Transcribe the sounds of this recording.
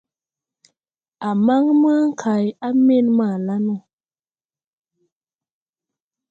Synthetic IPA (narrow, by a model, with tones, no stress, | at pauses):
a˨ma˦ŋma˦ŋ˦˨kʰa˨ja˦me˦˨nma˦˨la˦no˦˨